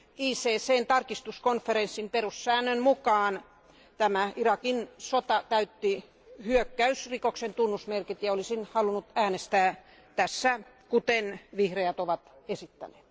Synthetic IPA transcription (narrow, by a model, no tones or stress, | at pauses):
iːseːseːnt̪ɑrkist̪uskonfeɾensːimperussæːnːønmukɑːn | t̪æmæirɑkinsot̪ɑt̪æyt̪ːi | hyøkːæysrikoksent̪unːusmerkit̪jɑolisinhɑlunut̪æːnest̪æː | t̪æsːæ | kut̪enʋihrejæt̪oʋɑt̪esit̪ːæ̰ne̥ːt̪